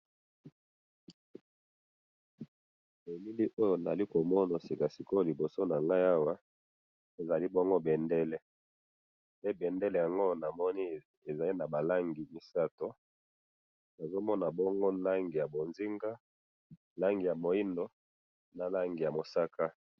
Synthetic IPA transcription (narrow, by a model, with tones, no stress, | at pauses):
e˨mi˦li˦ʔo˦jo˨na˨a˨li˦ko˨mɔ˦na˨si˨ka˨si˨ko˦˨li˨bo˨so˦na˨ŋɡa˦ja˦wa˦ | e˨za˨li˦bɔ˦ŋɡo˦bɛ˨ndɛ˦le˦ | pe˦bɛ˨ndɛ˦lɛ˨ja˨ŋɡo˦˨na˨mɔ˦ni˦ | e˨za˨li˦na˨ba˨la˦ŋɡi˨mi˨sa˦to˦ | na˨zo˦mɔ˦na˨bɔ˦ŋɡo˦la˦ŋɡi˨ja˨bo˨nzi˦ŋɡa˦ | la˦ŋɡi˨ja˨mo˨i˦ndo˦ | na˨la˦ŋɡi˨ja˨mo˨sa˦ka˦